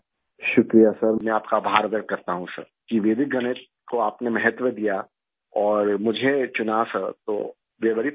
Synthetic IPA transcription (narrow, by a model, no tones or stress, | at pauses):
ʃʊkɾijasɐɾmɛ̃aːpkabʱaːɾbəɾkɐɾt̪aɦũsɐ̰ɾkiʋeːd̪ɪk̚ɡɐñe | koaːpnemɛɦət̪ʋəd̪ija | ɔːɾmʊd͡ʒʱet͡ʃʊnasɐɾt̪o̰ː | ʋeʋɐɾi